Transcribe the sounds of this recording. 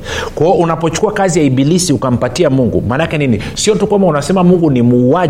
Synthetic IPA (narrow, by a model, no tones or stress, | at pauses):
kwaɔunapɔt͡ʃu̥kuakazijaiɓilisiukam̩patiamuŋɡṵmanakɛnini | siɔtukwambaunasɛmamuŋɡunimuːa